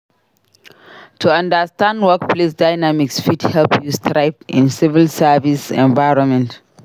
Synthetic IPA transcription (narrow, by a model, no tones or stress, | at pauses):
tʰuãndəstãndwak̚pʰlesdaɪnamiksfithɛlpjustʰɾaɪpḭ̃nsivilsavisɛ̰̃nvaɹɔ̃nmɛ̃nt